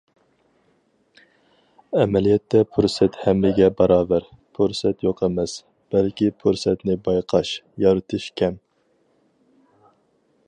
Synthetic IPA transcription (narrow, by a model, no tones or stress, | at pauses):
ɛmɛlijɛt̪ʰːɛpʰuɾsɛt̪hɛmlɪɡʲɛbɑɾɑːbæɾ | pʰuɾsɛt̪joqʰɛmɛs | b̥ɛlkʲipʰuɾsɛt̪nɪbɑjqʰɑʃjɑɾɨt̪ʰɨʃkʲʰɛm